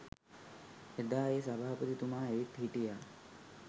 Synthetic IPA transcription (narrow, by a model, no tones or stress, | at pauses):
ed̪aːesabʱaːpət̪it̪umaːeʋit̪ɦiʈijaː